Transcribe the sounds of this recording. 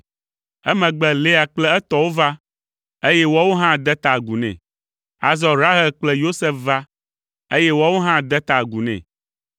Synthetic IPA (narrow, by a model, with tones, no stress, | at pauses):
ɛ˦mɛ̃˨ɡ͡bɛ˨le˦a˨k͡plɛ˦ɛ˦t̪ɔ˨wo˦va˦ | e˦jɛ˦wɔ˦wo˦ɦã˦d̪ɛ˦t̪a˨ɡu˨nɛ̰̃˨ | a̰˨zɔ˦ɾa˦ɦɛ˨lk͡plɛ˦jo˦sɛ˦fva˦ | e˦jɛ˦wɔ˦wo˦ɦã˦d̪ɛ˦t̪a˨ɡu˨nɛ̰̃˨